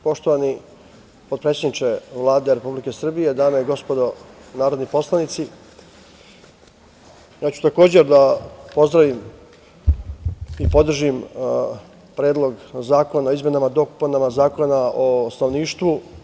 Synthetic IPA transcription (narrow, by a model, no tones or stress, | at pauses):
po̞ʃt̪oʋani | pod̪̚pɾet̪ed̪it͡ʃeʋlˠaːd̪e̞ɾe̞publike̞sr̩bije̞d̪aːmeiɡo̞spo̞d̪o̞naːɾo̞d̪nipo̞slˠanit̪si | jaːt͡ɕu̥t̪ako̞ːd͡ʑe̞ɾd̪apo̞zd̪ɾaʋim | ipod̪r̩ʒim | pɾe̞ːd̪lˠo̞ɡzaːko̞naoizme̞namad̪o̞ku̥panamazaːko̞naost̪anoʋniːʃt̪ʋu